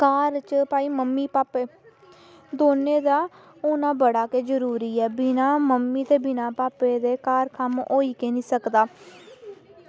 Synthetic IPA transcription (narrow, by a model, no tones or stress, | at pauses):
kaːɾt͡ʃpaːiːməmːiːpaːpeː | d̪oːnẽːd̪aː | ʊnãːbəɽaːkeːd͡ʒəɾuːɾiːɛːbɪnãːməmːiːt̪eːbɪnãːpaːpeːd̪eːkaːɾkʰəmo̰ːiːkeːnĩːsəkd̪aː